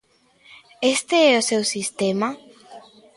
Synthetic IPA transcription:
est̪eɛosewsist̪ema

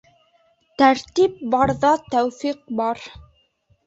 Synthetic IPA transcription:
t̪æɾt̪ip̚bɑɾðɑt̪æwfiq̚bɑɾ

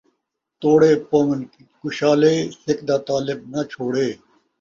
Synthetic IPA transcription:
t̪oːɽeːpoːŋɐn | kʊɕaːleːsɪkd̪aːt̪aːlɪb̚nɐt͡ɕʰoːɽeː

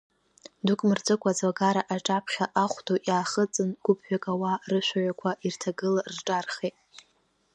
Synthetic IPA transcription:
dukʼmɨrt͡sʼɨkʷʼad͡zaɡaɾaʔaʈ͡ʂʼapʰχʲaʔaχʷtʰoʔjaːχət͡sʼɨnɡ̥ʷʊpʰɥᶣakʼawarɨʃʷᶣaɥʷakʷʰaʔirtʰaɡɨlarʈ͡ʂʼarχetʼ

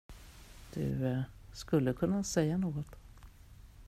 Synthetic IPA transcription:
d̪̥ɵ̰skɵlːəkʰɵnːasɛjːanoːɡɔt̪

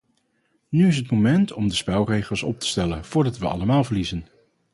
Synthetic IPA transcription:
nyɪs̬ɦətmomɛntʰɔmdəspɛlˠrejχəlˠsɔ̰p̚tə̥stɛlə̰nv̥ʊːɹdɑtʋəɑ̰ləmaːlˠvəɹlizən

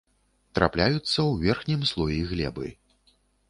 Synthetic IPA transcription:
t̪ɾa̰plʲajut̪sːɐwvʲɛrxnʲimslˠɔjiɣlʲɛ̰bɨ̰

